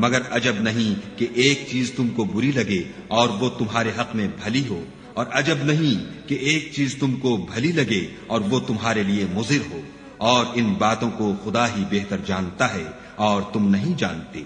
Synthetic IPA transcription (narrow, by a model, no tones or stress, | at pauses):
mɐɡəɾɐd͡ʒəbnɐɦĩkeʔeːk̚t͡ʃiːzt̪ʊmkobʊɾilɐɡe | ɔːɾʋot̪ʊmɦaːɾeɦɐqmẽbʱɐliɦoː | ɔːɾɐd͡ʒəbnɐɦĩkeʔeːk̚t͡ʃiːzt̪ʊmkobʱɐlilɐɡe | ɔːɾʋot̪ʊmɦaːɾeliemʊzɪɾɦoː | ɔːɾɪnbaːt̪õkoxʊd̪aɦibɛɦt̪əɾd͡ʒaːnt̪aɦɛ | ɔːɾt̪ʊmnɐɦĩd͡ʒãːnt̪eː